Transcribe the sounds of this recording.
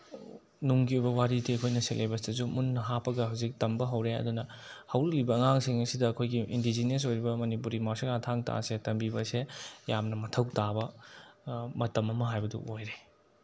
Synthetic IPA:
nuŋɡiujbɐwaɾitʰiɐkʰojnɐselʔebɐsdɐsumunːɐɦapɐɡɐɦɐwzik̚tɐmbɐɦɐwɾeɐ̰dunɐhɐwlɐlibɐːŋaŋsiŋɐsidɐɐkʰojɡiʔḭndid͡ʒines̬ojɾibɐmɐnipuɾimawseŋatʰaŋta̰setɐmbibɐsejamnɐmɐtʰɐwtabɐ | mɐtɐmɐmɐɦajbɐdṵʔojɾe

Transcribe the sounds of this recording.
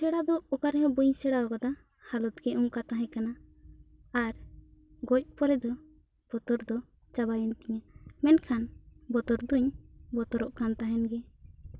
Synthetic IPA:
sɛɽad̪ɔukaɾɦɛ̃buɲsɛɽaɔkɔd̪a | halɔt̪ɡɛʔumkat̪aɦɛ̃kanaː | ɾ | ɡɔc̚ˀpɔɾɛd̪ɔ | b̥ɔt̪ɔɾd̪ɔ | t͡ʃaβajɛnt̪ɛɲamɛnkʰanbɔt̪ɔɾd̪uɲbɔt̪ɔɾɔʔkant̪aɦɛnɡɛ

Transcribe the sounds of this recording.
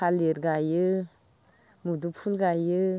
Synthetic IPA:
aleɾɡajə | mudupʰulɡajə

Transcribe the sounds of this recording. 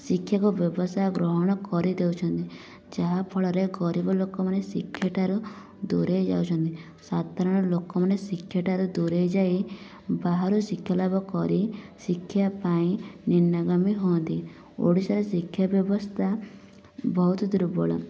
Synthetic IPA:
sikʰjakubjɔbɔsaɡɾɔɦɔɽ̃ɔkɔɾid̪ewt͡ʃʰɔnt̪i | d͡ʒaɦapʰɔɭɔɾeɡɔɾibɔlokɔmanesikʰjaʈaɾu | d̪uɾejd͡ʒa̰wt͡ʃʰɔnt̪i | sad̪aɾɔɽ̃ɔlokɔmanesikʰːjaʈaɾud̪uɾejd͡ʒai | baɦaɾusikʰjalabɔkɔɾisikʰːjapaĩninːaɡamiɦɔnt̪i | o̰ɽisaɾesikʰjabjɔbɔst̪ʰa | bʱɔɦut̪ɔd̪uɾubɔɭa̰

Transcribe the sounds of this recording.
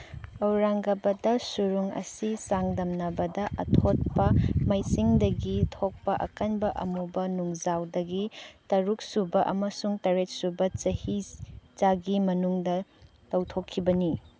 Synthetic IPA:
ɐwɾaŋɡɐbɐdɐsuɾuŋɐ̰sisaŋdɐmnɐbɐdɐʔɐ̰tʰot̚pɐmɐjsiŋdɐɡitʰok̚pɐʔɐ̰kanbɐʔɐ̰mubɐnuŋzawdɐɡitɐɾuk̚subɐʔɐmɐsuŋtɐɾet̚subɐt͡ʃɐhizaɡimɐnuŋdɐ | tɐwtʰokʰːibɐni

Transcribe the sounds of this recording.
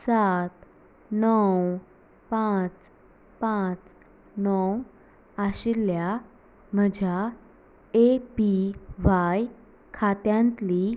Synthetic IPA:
sat̪ | nɔw | pãt͡s | pãt͡s | nɔw | aɕilja | m̤əd͡ʑʱa | epiʋaj | kʰat̪jãnt̪li

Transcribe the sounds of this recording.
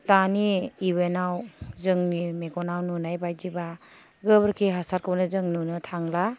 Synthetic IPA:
taniːwenawzɯŋnimeɡɔnawnunajbajziba | ɡɯbɾkʰiɦasaɾkʰɯbnɯzɯŋnunɯtʰaŋla

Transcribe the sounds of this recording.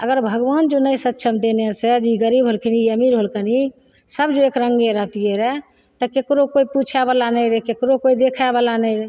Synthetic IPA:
əɡəɾbʱəɡʋand͡ʒonəjsət̪ːʃʰəmd̪enesed͡ʒiɡəɾibʱɦolkʰəniəmiɾɦolkəni | səbd͡ʒoekɾəŋɡeɾəɦt̪ieɾɛ | t̪əkekɾokoiput͡ʃʰabalanəjɾekekɾokoid̪ekʰabalanəjɾe

